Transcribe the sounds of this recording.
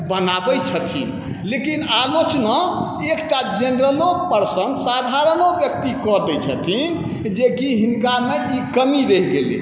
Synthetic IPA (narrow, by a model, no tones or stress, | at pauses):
bənabɛt͡ʃʰət̪ʰḭn | lekinalot͡ʃnə | ekʈad͡ʒenɾəlok̚pəɾsə̃nd̪sad̪ʱaɾənobjək̚t̪ikɔd̪ɛt͡ʃʰət̪ʰin | d͡ʒekiɦinkameikəmiɾeɦɡelḛ